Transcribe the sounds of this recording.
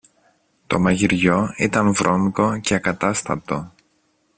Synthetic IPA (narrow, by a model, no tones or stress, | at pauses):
t̪o̞mɐʝiɾʝo̞it̪ɐnvɾʔo̞ŋɡo̞ceɐkɐt̪ɐst̪ɐ̰t̪o̞